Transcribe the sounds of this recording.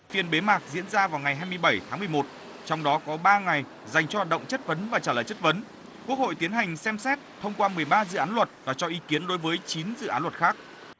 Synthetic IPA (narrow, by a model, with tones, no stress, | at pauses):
fi˨˩ənɓe˨˦maː˨˩k̚zḭ˧˥ənzaː˧vaː˨˩wŋa˨˩jɦaː˧jmɨ˧əjɓə˧˩jt̪ʰaː˨˦mɨ˨˩əjmo˨˩t̚ | t͡ɕɔ˧wŋ͡mɗɔ˨˦kɔ˨˦ɓaː˧ŋa˨˩j | za˨˩jŋ̟t͡ɕɔ˧haː˨˩t̚ɗə̰˧˨ŋ͡mt͡ɕə˦˥t̚və˨˦nvaː˨˩t͡ɕaː˧˩laː˨˩jt͡ɕə˦˥t̚və˨˦n | kwu˦˥ək̚ho̰˧˨jt̪i˨˦ənɦa˨˩jŋ̟sɛ˧msɛ˦˥t̚t̪ʰə˧wŋ͡mkwaː˧mɨ˨˩əjɓaː˧zɨ̰˧˨aː˨˦nlwə˨˩t̚vaː˨˩t͡ɕɔ˧ʔi˨˦ki˨˦ənɗo˨˦jvəː˨˦jt͡ɕi˨˦nzɨ̰˧˨ʔaː˨˦nlwə˨˩t̚xaː˦˥k̚